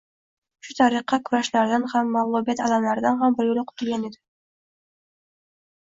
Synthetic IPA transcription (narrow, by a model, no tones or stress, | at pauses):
ʃʊt̪ʰaɾɨqːɑkʲʰʊɾaʃlaɾd̪anhamːawlˠobijat̪alamlaɾd̪anɦambɪɾɡʊlɪqʰʊ̥t̪ʰʊlˠɡʲaned̪ɪ